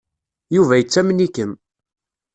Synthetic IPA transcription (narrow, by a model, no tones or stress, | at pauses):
juvæjət͡sːæmnikəm